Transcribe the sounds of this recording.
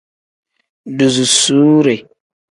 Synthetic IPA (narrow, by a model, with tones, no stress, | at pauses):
du˨zu˨su˨˦ɾe˨